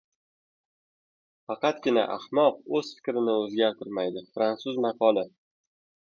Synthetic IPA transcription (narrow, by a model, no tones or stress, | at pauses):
fɑqɑt̪ɡʲɪna̰ʔahmɒqɵzfɪ̥kʲɾɪnɪɵzɡʲaɾt̪ʰɪɾmajd̪ɪfɾant̪sʊzmaqʰɒlˠɪ